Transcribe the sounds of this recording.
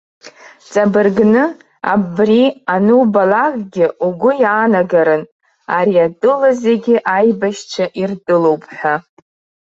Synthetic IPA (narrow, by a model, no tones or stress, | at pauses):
t͡sʼabɨrɡnɨ | a̰brianɨbalakʼɡʲɪʔuɡʷʊjaːnaɡaɾɨn | aɾiatʼɨlazeɡʲɪʔajbaʃt͡ʃʷʰaʔirtʼɨlo̞wpʰʼħʷᶣa